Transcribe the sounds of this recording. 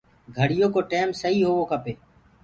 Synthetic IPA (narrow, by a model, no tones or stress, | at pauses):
ɡʱəɽɪjoːkoːʈeːmsəɦiːɦoːʋoːkʰəpeː